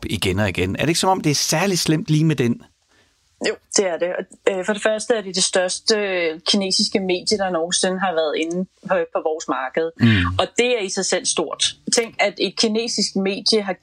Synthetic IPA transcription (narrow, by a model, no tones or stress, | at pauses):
b̥iɡ̥enɒiɡ̥enæɐd̥e̝ɡ̥sɒ̽mɒ̽md̥e̝æɐsæɐlislem̰d̥liːmed̥en | jo̝d̥e̝æɐd̥e̝ʔɒ̽øfɒ̽ɾ̥e̝fɶɐsd̥əæɐɾ̥e̝d̥e̝sd̥ɶɐsd̥əkʰine̝̰ːsisɡ̥əme̝̰ːd̥jəɾ̥ɑ̈nɔːn̩sen̩ɦɑ̈ʋæɐðˠe̝n̩pʰpʰɒ̽ʋɒːsmɑ̈ːɡ̥əð̞̩ˠɒ̽d̥e̝æɐisɑ̈ɪsel̰sd̥o̝ɐ̰d̥t͡sʰeŋ̰ɡ̥æd̥e̝d̥̚kʰine̝̰ːsisɡ̥me̝̰ːd̥jəɦɑ̈